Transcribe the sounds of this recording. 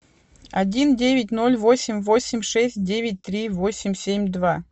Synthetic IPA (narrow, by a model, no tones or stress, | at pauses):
ɐdʲindʲevʲɪt̬̚ʲno̞lʲvo̞sʲɪmʲvo̞sʲɪmʲʂɛsʲt̚ʲdʲevʲɪt̚ʲt̪ɾʲivo̞sʲɪmʲsʲemʲd̪va